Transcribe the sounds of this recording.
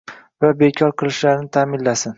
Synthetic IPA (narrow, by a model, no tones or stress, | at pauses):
vabe̞kʲʰɒɾqʰɨlˠɪʃlaɾɪnɪt̪ʰaːmɪnlasɪn